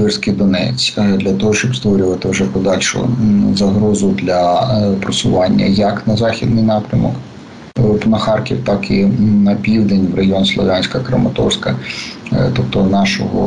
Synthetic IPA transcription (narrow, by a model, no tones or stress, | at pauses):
ʋɪrsʲkɪjd̪ɔnɛ̰t͡sʲd̪lʲɐt̪ɔɦɔʃt͡ʃɔbst̪ʋɔɾʲʊʋɐt̪ɪwʒɛpɔd̪ɑlʲʃʊ̰zɐɦɾɔzʊd̪lʲɐpɾɔsʊʋɑnʲːɐ̰jɐknɐzɑxʲid̪nɪjnɑpɾʲɐmɔ̰k | pnɐxɑrkʲiwt̪ɑkɪnɐpʲiwd̪enʲwrɐjɔnslˠɔʋʲɑnʲsʲkɐkɾɐmɐt̪ɔ̰rsʲkɐ | t̪ɔp̚t̪ɔnɑʃɔ̰ɦɔ̰